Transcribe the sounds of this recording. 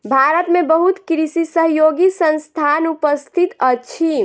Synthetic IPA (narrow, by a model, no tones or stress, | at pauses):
bʱaɾət̪mẽbəɦut̪kɾisisəɦjoːɡisə̃nst̪ʰanupəst̪ʰit̪ət͡ʃʰi